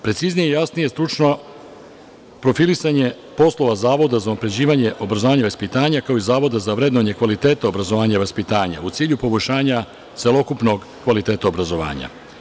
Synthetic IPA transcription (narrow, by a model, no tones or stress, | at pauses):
pɾe̞t̪siznijeijasnije̞st̪ɾut͡ʃno̞ | pɾo̞filisaɲe̞ | po̞slˠo̞ʋazaːʋo̞d̪azaunapɾe̞d͡ʑiːʋaɲe̞ʔo̞bɾazoaːɲaʋaspit̪aːɲakaoizaːʋo̞d̪azaʋɾe̞d̪noɲe̞kʋalit̪eːt̪aobɾazoʋaːɲaiʋaspit̪aːɲa̰ut̪siːʎupo̞bo̞jʃaːɲa | t̪se̞lo̞kupno̞ɡ | kʋalit̪e̞ːt̪aobɾazo̞ʋa̰ːɲa̰